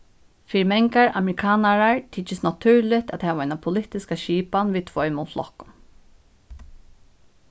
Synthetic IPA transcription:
fiːɾɪmɛŋkaɹʔa̰mɛɾɪkʰaːnaɹaɹt̪ʰɪt͡ʃːɪsnat̪ʰʉɹlɪht̪at̪hɛːʋaaɪnapʰʊlɪht̪ɪskaʃiːpanʋiːt̪ʰvɔjmʊt̪flɔ̰hkʊm

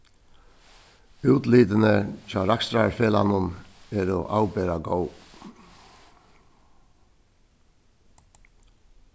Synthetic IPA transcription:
ʉːt̪liːd̪ənət͡ʃɑːɾakst̪ɾafeːla̰nʊnɛɾoʔa̰wbeːɾaɡow

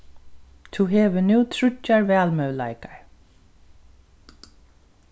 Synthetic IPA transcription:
t̪ʰuɦɛːʋɪnʉːt̪ʰɾʏcːaɹvɛːlmœwla̰jkaɹ

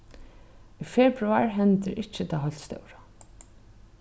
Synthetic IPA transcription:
ifɛbɾʊaɹɦɛnt̪ɪɾɪt͡ʃːɪt̪ʰaːɦɔjl̥t̪st̪œ̰wɾa

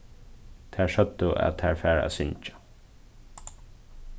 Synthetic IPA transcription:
t̪ʰæːɹʂœd̪əæ̰t̪t̪ʰæːɹfæːɹæ̰sʏɲt͡ʃḁ

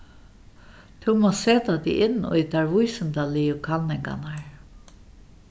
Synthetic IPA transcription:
t̪ʰɛwmoɔːseːt̪at̪ḭʔɪnːʊ̰jt̪ʰaɹʋʊjsɪnt̪alɪjʊkʰalnɪŋka̰naɹ

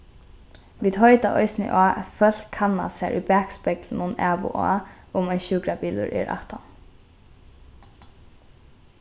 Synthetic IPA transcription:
ʋiːd̪hɔʏt̪aʔɔ̰ʏsnɪ̰ʔaːʔɛt̪fœl̥kʰːanːa̰sæ̰ɹʔʊ̰bæːkspɛklnʊnɛːʋʊ̰ʔa̰ː | ʊmaɪnʃʉːkɾabiːlʊ̰ɹʔɛ̰ːɾʔa̰ht̪an

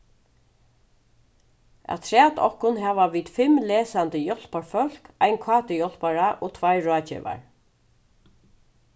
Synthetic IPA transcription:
a̰t̪ʰɹæːt̪ɔ̰hkʊnɦɛːʋaʋiːd̪fɪmlɛːsant̪əjɔl̥paɹfœl̥kajnkʰaːt̪əjɔl̥paɹaʔot̪ʰvajɹɔːt͡ɕɛ̰ʋa̰ɹ

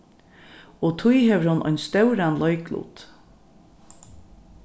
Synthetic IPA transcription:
ɔt̪ʰʊjhɛʋəɾhʊnːʔɔ̰jnst̪œwɾanlɔjklṵːt̪

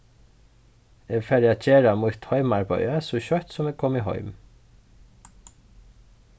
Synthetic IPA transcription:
eːɡfæɾɑc͡çeːɾɑmuːt̪hœʏmɑɹbœ̰ʏəsoːçœt̪sɔmeːɡ̚kʰɔmiːhɔ̰ʏm

